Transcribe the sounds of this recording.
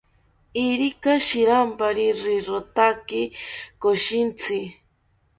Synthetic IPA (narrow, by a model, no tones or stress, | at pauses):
iɾikaʃiɾampaɾiʐiɾot̪akikoʃint͡sʰi